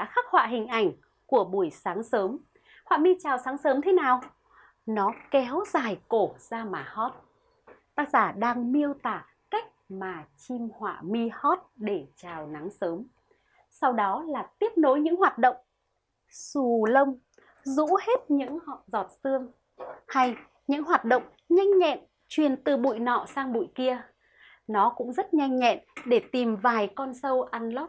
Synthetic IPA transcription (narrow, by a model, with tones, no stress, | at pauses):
ɗa̰ː˧˥xa˦˥k̚hwa̰ː˧˨ɦï˨˩ŋ̟ʔa˧˩jŋ̟ | ku˧˩əɓu˧˩əjsaː˨˦ŋsəː˨˦m | hwa̰ː˧˨mi˧t͡ɕaː˨˩wsaː˨˦ŋsəː˨˦mt̪ʰe˨˦naː˨˩w | nɔ˨˦kɛ˨˦wzaː˨˩jko˧˩zaː˧maː˨˩hɔ˦˥t̚ | t̪aː˦˥k̚zaː˧˩ɗaː˧ŋmi˧əwt̪aː˧˩ | ka˦˥jk̟̚maː˨˩t͡ɕi˧mhwa̰ː˧˨mi˧hɔ˦˥t̚ɗe˧˩t͡ɕaː˨˩wna˨˦ŋsəː˨˦m | sa˧wɗɔ˨˦laː˨˩t̪i˦˥əp̚no˨˦jɲɨ̰˧˥ŋɦwaː˨˩t̚ɗə̰˧˨wŋ͡m | su˨˩lə˧wŋ͡m | zṵ˧˥he˦˥t̚ɲɨ̰˧˥ŋ˨zɔ˨˩t̚sɨ˧əŋ | ha˧j | ɲɨ̰˧˥ŋhɦwaː˨˩t̚ɗə̰˧˨wŋ͡m | ɲa˧jŋ̟ɲɛ̰˧˨n | t͡ɕwi˨˩ənt̪ɨ˨˩ɓṵ˧˨jnɔ̰˧˨saː˧ŋɓṵ˧˨jki˧ə | nɔ˨˦kʊ̰˧˥ŋ͡mzə˦˥t̚ɲa˧jŋ̟ɲɛ̰˧˨nɗe˧˩t̪i˨˩mvaː˨˩jkɔ˧nsə˧wʔa˧nlo˦˥